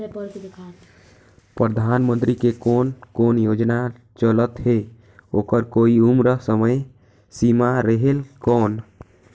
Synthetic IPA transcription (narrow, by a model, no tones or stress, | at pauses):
epəɾkd̪ekʰa | pɾəd̪ʱanmə̃nt̪ɾikekoːnkonjod͡ʒna | t͡ʃələt̪ɦe | okəɾkoiumɾəɦsəməj | simaɾəɦelkɔːn